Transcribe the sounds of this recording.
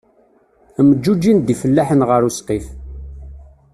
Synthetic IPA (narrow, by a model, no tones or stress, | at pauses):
məd͡ʒːud͡ʒːind̪ifəlːaħənʁəɾusqif